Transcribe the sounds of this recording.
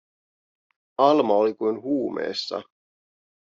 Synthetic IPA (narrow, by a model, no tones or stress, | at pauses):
ɑlmɑolikujnɦuːmḛːsːɑ̰